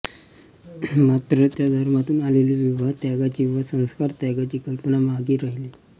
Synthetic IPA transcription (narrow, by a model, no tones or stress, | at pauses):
mat̪ɾət̪jad̪ʱəɾmat̪uːnaleliʋiʋaɦt̪jaɡat͡ɕiːʋəsə̃w̃skaɾt̪aɡat͡ɕiːkəmpənamaɡiːɾaɦili